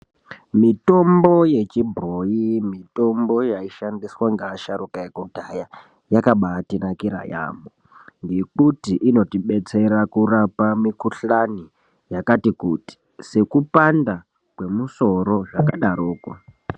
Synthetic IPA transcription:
mito̞mbo̞je̞t͡ʃibʱrojimito̞mbo̞jaiʃandiswaŋɡaʃaɾukajakudʱaja | jakaɓaːtinakiɾa̰ja̰ːmbo | ŋɡe̞kutiʔino̞tiɓe̞t͡se̞ɾakurapamikuɬani | jakatikuti̥ | se̞kupanda | kwe̞muso̞ɾo̞ʐakaɗaɾoːka̰

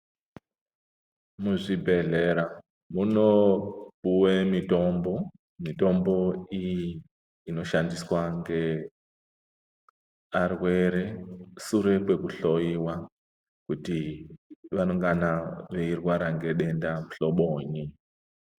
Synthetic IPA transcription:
muʐibʱeɮeɾa | munopuwemitombo | mito̞mbo̞ijiː | no̞ʃandiswaŋɡe̞ | arwe̞ɾe̞suɾe̞pwe̞kuɬo̞iwa | kuti | ʋano̞ŋɡanaʋeirwaɾaŋɡe̞ɗe̞ndamuɬo̞ɓoːɲi

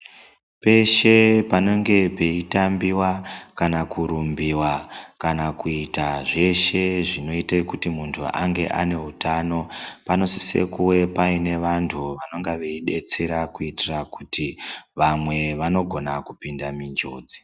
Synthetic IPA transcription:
pe̞ʃe̞pano̞ŋɡe̞pe̞itambiwakanakuɾumbiwakanakuitaʐe̞ʃe̞ʐino̞itekutimuntʰṵa̰ŋɡe̞̰ʔa̰ne̞ɦutaːno̞pano̞si̥se̞̰kuwe̞paine̞ʋantʰuʋano̞ŋɡaʋeiɗe̞t͡se̞ɾakuitirakutiʋamwe̞ʋano̞ɡʱo̞nakupindamind͡ʒo̰ːd͡zi̥

